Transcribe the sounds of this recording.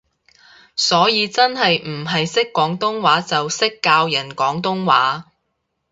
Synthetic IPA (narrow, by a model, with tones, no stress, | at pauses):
sɔː˨˥jiː˨˧t͡sɐ˥nhɐ˨jm̩˨˩ɦɐ˨jsɪ˥kːɔː˨˥ŋt̪ʊ˥ŋwaː˨˥t͡sɐ˨wsɪ˥kːaː˧wjɐ˨˩nkɔː˨˥ŋt̪̬ʊ˥ŋwaː˨˥